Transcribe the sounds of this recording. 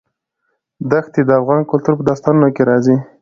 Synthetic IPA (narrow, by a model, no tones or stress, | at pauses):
d̪axt̪ed̪əafɣɑnkʊlt̪uɾpəd̪ɑst̪ɑnunokeɾɑzi